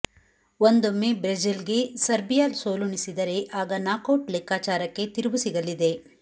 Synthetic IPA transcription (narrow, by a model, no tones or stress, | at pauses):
ond̪omːebɾed͡ʒilɡe̞sɐɾbijaːlsoːlunisid̪ɐɾe̞ʔaːɡɐnaːkɐwʈlɛkːaːt͡ʃaːɾɐkːe̞t̪iɾubusiɡɐlid̪e̞